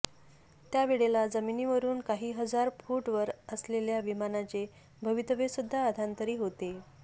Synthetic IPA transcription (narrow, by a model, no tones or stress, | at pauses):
t̪jaʋiɽelad͡zəminiːʋəɾuːnkaɦiːɦəd͡zaɾfuʈʋəɾəsleljaʋimanat͡se | bʱəʋit̪əʋesud̪ʱːaəd̪ʱant̪əɾiːɦot̪e